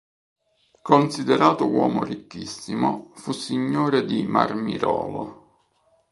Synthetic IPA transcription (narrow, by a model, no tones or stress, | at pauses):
konsid̪eɾaːt̪ʊwɔːmorikːisːimofusːiɲːoːɾed̪ima̰rmiɾɔːlo